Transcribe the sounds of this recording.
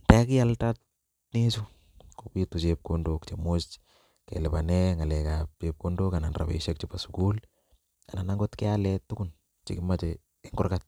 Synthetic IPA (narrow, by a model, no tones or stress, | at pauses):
ntakɪaltat | nesu | kopitut͡ʃep̚kondokt͡ʃemost͡ʃ | kḛlɪpanɛŋalɛkap̚t͡ʃep̚kondokananra̰bḛʃak̚t͡ʃipasu̥kul | ananaŋɡotkɛalɛtukʊn | t͡ʃɪ̰kɪmat͡ʃɛ | ɪŋɡʊrkat̚